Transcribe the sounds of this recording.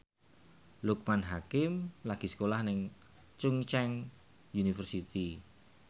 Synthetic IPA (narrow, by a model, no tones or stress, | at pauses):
luk̚manɦakɪmlaɡ̥i̤sə̥kolahnɪŋ | t͡ʃuŋt͡ʃɛŋ | junifərsit̪i